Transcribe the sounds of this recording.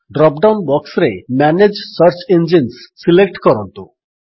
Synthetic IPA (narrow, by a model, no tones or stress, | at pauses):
ɖɾɔpɖawnbɔksɾemɛned͡ʒsʌɾt͡ʃend͡ʒinssilek̚ʈkɔɾɔnt̪u